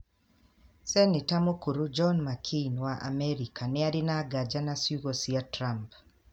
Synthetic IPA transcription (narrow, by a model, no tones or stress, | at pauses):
sɛnɪtamokuɾud͡ʒɔnmakʰinwaʔa̰mɛɾikʰanɪadɪnaɡad͡ʒanasjuɣosiatɾamp